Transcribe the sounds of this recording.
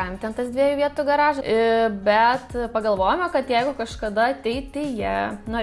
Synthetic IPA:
ɐmt̪ʲɛnt̪ɐsd̪ʋʲiɛjuːʋʲiɛt̪uːɡɐɾɑːʒɐɪbʲɛt̪pɐɡɐlˠʋoːjomʲoːkɐt̪jɛɪɡʊkɐʃkɐd̪ɐɐt̪ʲɛɪtt̪ɪjiɛnoː

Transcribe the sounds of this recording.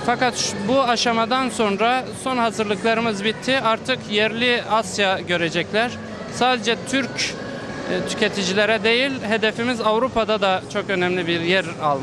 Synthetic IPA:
fakat̪ʃbuaʃamad̪anso̞nɾaso̞nɦazɯɾlˠɯklˠaɾɯmɯzbit̪ʰːiaɾt̪ʰɯkjɛɾlʲiasjaɟø̞ɾed͡ʒɛclʲæɾ̥ | saːd̪ed͡ʒɛt̪ʰyɾc | t̪ʰy̥cet̪ʰid͡ʒilʲeɾɛd̪e̞jilʲɦe̞d̪efimizavɾupʰad̪ad̪at͡ʃʰo̞kø̞nɛmlʲibiɾjæɾalˠ

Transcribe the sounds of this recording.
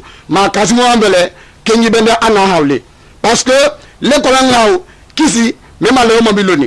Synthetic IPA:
makas̬imoambɛlɛ | keibɛndɛʔanahawlḛ | paskelekɔlaaw | kis̬i | mẽmaleomãbilonĩ

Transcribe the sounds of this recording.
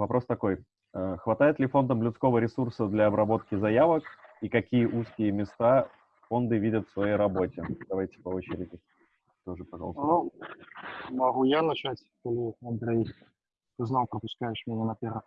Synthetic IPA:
vɐpɾʔo̞st̪ɐko̞j | əxvɐt̪ajɪt̪lʲɪfo̞nd̪əmlʲʊt̪sko̞vəɾʲɪsursəd̪lʲɐːbɾɐbo̞t̪̚kʲɪzɐjavəkikɐkʲijəʔuskʲɪjəmʲɪst̪a | fo̞nd̪ɨvʲidʲət̪fsvɐjejɾɐbo̞tʲɪd̪ɐvajtʲɪ̥pɐo̞t͡ɕɪɾʲɪdʲɪ | t̪o̞ʐɨpɐʐɑ̰lˠsnu | mɐɣujanɐt͡ɕatʲkolʲɪɐnd̪ɾej | ɨznɑlˠpɾəpʊskajɪʂmʲɪnʲanɐpʲeɾə

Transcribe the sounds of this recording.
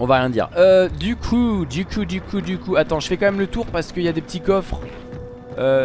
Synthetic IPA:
ɔ̃vaʁjɛ̃d̪ḭʁød̪ykʰud̪ykʰud̪ykʰud̪ykuat̪ɑ̃ʒəfɛkɑ̃mɛmlət̪uʁpaʁsə̥kəiljad̪epət̪ikɔfχ | ø

